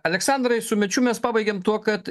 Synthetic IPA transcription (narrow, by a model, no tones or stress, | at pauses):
ɐlʲɛksɑnd̪ɾɐɪsʊmʲɛt͡ʃʲʊmʲɛspɑːbɐɪɡʲeːmt̪uɔkɐt̪